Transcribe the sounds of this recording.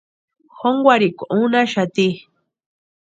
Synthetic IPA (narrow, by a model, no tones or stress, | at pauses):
xoŋɡʷaɾikʷoʔunaʃat̪i